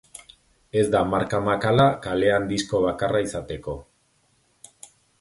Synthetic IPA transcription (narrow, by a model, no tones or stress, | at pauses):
e̞zd̪amaɾkamakalakale̞and̪isko̞β̞akaraisat̪e̞ko̞